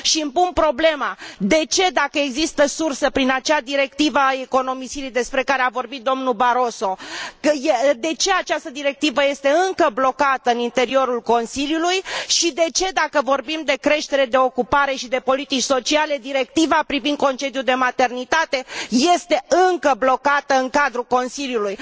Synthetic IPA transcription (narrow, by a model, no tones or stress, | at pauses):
ʃiɨmpunpɾo̞ble̞mad̪e̞t͡ʃe̞d̪akəe̞ɡzist̪əsursəpɾinat͡ʃead̪iɾe̞kt̪ivaːe̞ko̞no̞misilid̪e̞spɾe̞kaɾeavo̞rbit̪̚d̪o̞mnubaɾo̞so̞kəjed̪e̞t͡ʃe̞at͡ʃast̪əd̪iɾe̞k̚t̪ivəje̞st̪e̞ɨŋkəblo̞kat̪əɨnint̪e̞ɾio̞ɾulko̞nsiljulujʃid̪e̞t͡ʃe̞d̪akəvo̞rbimd̪e̞kɾe̞ʃt̪e̞ɾe̞d̪e̞o̞kupaɾe̞ʃid̪e̞po̞lit̪it͡ʃʲso̞t͡ʃiale̞d̪iɾe̞k̚t̪ivapɾivind̪̚ko̞nt͡ʃe̞d̪juld̪e̞mat̪e̞rnit̪at̪e̞je̞st̪e̞ɨŋkəblo̞kat̪əɨŋkad̪ɾuko̞nsiljuluj